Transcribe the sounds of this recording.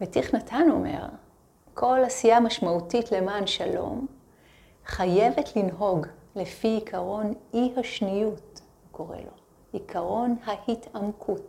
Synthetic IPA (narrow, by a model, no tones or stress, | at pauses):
vetiχnatʰano̞̰me̞̰ʁ | kʰo̞lasijamaʃmautitle̞maːnʃalo̞̰m | χaje̞vetʰlinɦo̞ɡle̞fiikʰaʁo̞nihaʃnijut | ko̞ʁḛlo̞̰ | ikʰaʁo̞nhahitamkʰut